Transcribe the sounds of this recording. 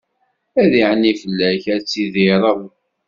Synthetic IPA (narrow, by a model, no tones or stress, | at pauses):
æðiʕənːifəlːæçæt͡sːiðɪɾˤəðˤ